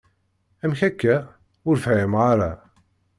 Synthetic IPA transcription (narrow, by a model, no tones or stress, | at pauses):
æmçækːæ | ʊɾfʕɪmʁaɾˤa